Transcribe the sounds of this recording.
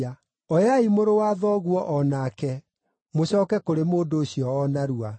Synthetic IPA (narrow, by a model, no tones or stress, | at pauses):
a | ɔjaimoɾowaðɔɣwɔʔɔnakɛ | moɕɔːkɛkoɾemoːdoːɕiɔɔnaɾua